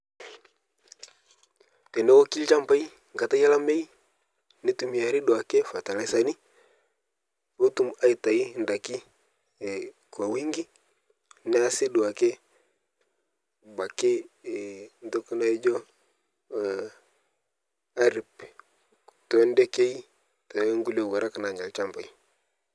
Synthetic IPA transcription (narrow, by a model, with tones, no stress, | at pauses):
tɛ˨nɛ˦wo˦ki˦lt͡ʃa˦mpa˦i˦ | ŋɡa˨ta˦ja˦la˦me˦i˦ | ni˦tu˨mi˨a˨ɾi˦du˨a˨ke˦fa˨ta˨la˨sa˨ni˦ | bo˦tu˦˨ma˦i˨ta˨i˦˨nda˨kɪ˦˨ | kwa˨wi˦ŋɡi˦ | nɪ˦a˦sɪ˦du˨a˨ke˦ | ɡ͡ba˨ke˦˨ | n˦do˦ku˦na˦i˦d͡ʒɔ˦˨ | a˦ɾi˨p | u̥˨tɔ˨˦ndɛ˦ke˦i˦ | ta˨˦ŋɡu˦le˨wa˨ɾa˦ka˨na˨ɲa˨lt͡ʃa˦mba˨i˦